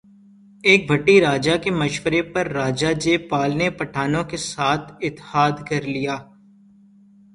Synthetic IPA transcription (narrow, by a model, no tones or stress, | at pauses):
eːk̚bʱɐʈːiɾaːd͡ʒakemɐʃwəɾepɐɾːaːd͡ʒad͡ʒeːpaːlnepɐʈʰaːnõkesaːt̪ʰɪt̪haːd̪kɐɾlijaː